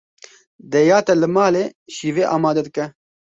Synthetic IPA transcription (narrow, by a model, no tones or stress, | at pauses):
d̪ɛjaːt̪ɛlɨmaːleːʃiːveːʔaːmaːd̪ɛd̪ɨkɛ